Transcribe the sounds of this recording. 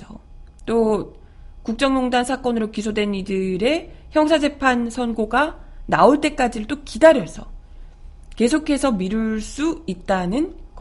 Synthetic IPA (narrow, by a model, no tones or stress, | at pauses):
ʌt͈o | kuk̚t͡ɕ͈ʌŋmoŋdansʰak͈ʌnɯɾokis̬ʰodwe̞nidɯɾe̞çjʌŋs̬ʰad͡ʑe̞pʰansʰʌnɡoɡanaoɭt͈e̞k͈ad͡ʑiɾɯɭt͈okidaɾjʌsʰʌ | ke̞sʰokʰe̞sʰʌmiɾuɭs͈uit̚t͈anɯnkʌ